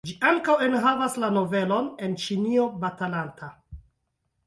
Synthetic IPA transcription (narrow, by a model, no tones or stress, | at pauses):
d͡ʒiʔaŋkawe̞nɦavaslano̞ve̞lo̞ne̞nt͡ʃinio̞batalantʰa